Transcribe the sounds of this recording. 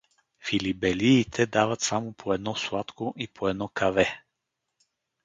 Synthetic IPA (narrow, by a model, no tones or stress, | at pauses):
filibɛliːt̪ʰɛd̪avət̪samopʰoɛd̪nɔslˠat̪koʔipʰoɛd̪nɔkɐvɛ